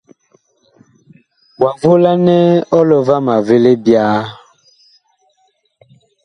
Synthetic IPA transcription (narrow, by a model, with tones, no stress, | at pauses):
wa˨vo˦la˦nɛ˦ɔ˦lɔ˨va˦ma˨ve˦le˦bja˦